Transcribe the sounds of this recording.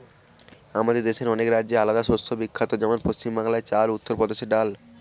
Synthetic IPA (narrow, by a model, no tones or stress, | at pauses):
amad̪eɾd̪eʃeɾɔnekɾadːd͡ʑealad̪aʃost̪ʰobikʰːat̪od͡ʑɛmonpost͡ɕimbaŋlaet͡ɕalut̪ːoɾpɔd̪eʃeɖal